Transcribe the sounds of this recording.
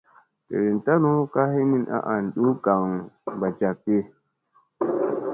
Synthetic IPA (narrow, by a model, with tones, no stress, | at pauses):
tḛ˨ɾi˨n˨ta˦nu˦ka˦hi˦mi˦nʔa̰˦ʔa˨n˨ɗu˦ɡa˨ŋba˨t͡ʃa˨k̚ːi˦